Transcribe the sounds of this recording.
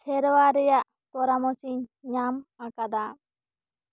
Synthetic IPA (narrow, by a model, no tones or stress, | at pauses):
sʰɛɾwaɾɛjaʔ | pɔɾamɔsiɲɲamakad̪a